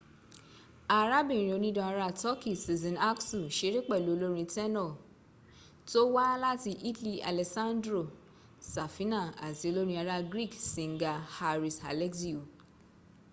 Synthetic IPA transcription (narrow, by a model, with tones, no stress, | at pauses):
a˧ɾa˦bĩ˦˨ɾ̃ĩ˧o˧nĩ˦dɔ̃˧a˧ɾa˦˨tɔ˦ki˦˨si˨zɔ̃˨na˦ksu˨ʃe˦ɾi˦k͡pɛ˦˨lu˨˦o˦˧lo˦ɾ̃ĩ˧tɛ˦nɔ˦˨ | to˦wa˦la˦ti˧ʔi˦tli˦a̰˨lɛ˨sã˦ndɾo˦˨ | sa˨fi˨˦nã˦˨a˨ti˨˦o˧lo˦ɾ̃ĩ˧a˧ɾa˦ɡɾi˦˨ksĩ˨ŋ˨ɡa˧ha˧ɾi˨sa̰˨lɛ˦ksi˦u˨